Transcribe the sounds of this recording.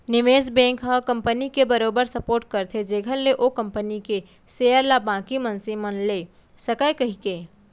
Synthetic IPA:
nɪʋeːs̬bɛ̃ːŋkɦɐkɐ̃mpənikebɐɾoːbəɾsɐpoːɾʈ̚kɐɾt̪ʰed͡ʒeːɡʱəlleʔoːkɐ̃mpənike | seːjəɾlabãːkimɐ̃nsimənleː | sɐkəjkɐɦikeː

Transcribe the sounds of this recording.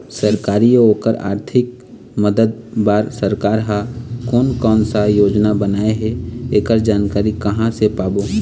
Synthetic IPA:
səɾkaːɾijooːkəɾa̰ːɾt̪ʰɪk̚ | məd̪əd̪̚baːɾsəɾkaːɾɦakɔːnkɔːnsajoːd͡ʒnabənaːeɦɛeːkəɾd͡ʒaːnkaːɾikəɦãsepaːbo

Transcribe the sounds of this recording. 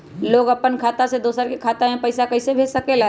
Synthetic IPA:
loːɡəpənkʰaːt̪ased̪oːsəɾkekʰaːt̪aɦẽpɐɪsakɐɪsebʱeːd͡ʒsəkela

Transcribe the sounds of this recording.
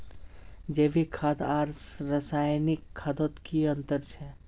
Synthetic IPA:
d͡ʒebikʰad̪aːɾsɾəsaːjnikʰːad̪ot̪kiənt̪əɾt͡ʃʰɛ

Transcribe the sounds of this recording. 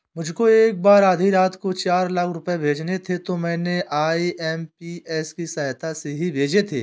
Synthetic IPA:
mʊd͡ʒʱkoeːk̚baːɾaːd̪ʱiɾaːt̪ʰkot͡ʃaːɾlakʰɾʊpebʱeːd͡ʒnet̪ʰet̪omɛ̃ːneʔaːiʔɛːmpiːɛːskisɐɦt̪aseɦibʱeːd͡ʒet̪ʰeː

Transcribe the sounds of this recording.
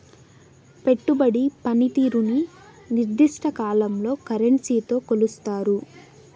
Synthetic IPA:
pe̞ʈːubɐɽipɐnit̪iːɾuni | niɾd̪iʂʈʰɐkaːlɐmlo̞ːkɐɾɐɳsiːt̪o̞ːkolust̪aːɾu

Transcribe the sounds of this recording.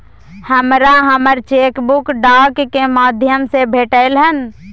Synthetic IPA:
həmɾaɦəməɾt͡ʃeːkbʊkɖaːkːemaːd̪ʱjəmsebʱeːʈəɪlɦən

